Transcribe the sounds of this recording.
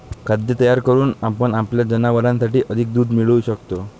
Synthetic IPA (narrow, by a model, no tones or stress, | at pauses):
kʰad̪jət̪əjaɾkəɾuːnapəɳapljad͡ʑənaʋəɾãnsaʈiːʔəd̪ʱik̚d̪uːd̪miɭuɕəkt̪o